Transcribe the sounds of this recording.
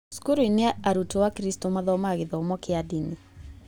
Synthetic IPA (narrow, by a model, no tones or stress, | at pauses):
su̥kuɾoineaaɾutowakɾistomaðɔmaɣeðɔmɔkɪadini